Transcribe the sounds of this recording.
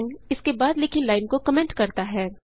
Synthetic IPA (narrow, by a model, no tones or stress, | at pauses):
nɪskebaːd̪lɪkʰĩlaːɪnkokɐmɛ̃ːɳʈkɐɾt̪aɦɛː